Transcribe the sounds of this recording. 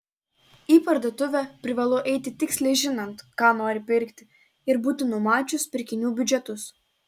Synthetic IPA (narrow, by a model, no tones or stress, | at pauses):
iːpɐɾd̪oːt̪ʊʋʲɛpʲɾʲɪʋɐlˠoːʔɛɪt̪ʲɪt̪ʲɪksʲlʲɛɪʒʲɪnɐnt̪kɑːnoːɾʲɪpʲɪɾʲˑkt̪ʲɪ | ɪɾbuːt̪ʲɪnʊmɑːt͡ʃʲʊspʲɪɾʲkʲɪnʲuːbʲʊd͡ʒʲɛt̪ʊs